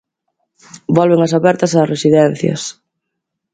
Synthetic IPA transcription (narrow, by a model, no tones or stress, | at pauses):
bɔlβeŋɐsaβɛɾt̪ɐsaːsresiðɛnθjɐ̰s